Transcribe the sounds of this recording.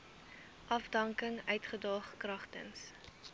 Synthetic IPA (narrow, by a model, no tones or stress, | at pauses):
ʔɐfdɐŋkəŋœɥtχədɑːχkrɐχtə̰ns